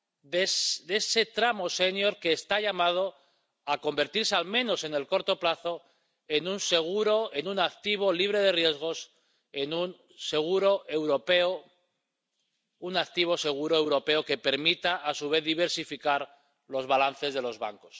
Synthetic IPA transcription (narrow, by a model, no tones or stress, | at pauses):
desd̪e̞se̞t̪ɾamo̞se̞njo̞ɾke̞ːst̪aʎamað̞o̞ | ako̞mbe̞ɾt̪iɾsealmẽ̞no̞se̞ne̞lko̞ɾt̪o̞plaθo̞ | e̞nunse̞ɣ̞uɾo̞e̞nunak̚t̪iβ̞o̞liβɾe̞ð̞e̞rje̞zɣ̞o̞s | e̞nun | se̞ɣ̞uɾo̞ʔewɾo̞pe̞o | unak̚t̪iβ̞o̞se̞ɣ̞uɾo̞e̞wɾo̞pe̞o̞ke̞pe̞ɾmit̪aʔasuβ̞e̞θðiβ̞e̞ɾsifikaɾ | lo̞zβalanθe̞zð̞e̞lo̞zβa̰ŋko̞s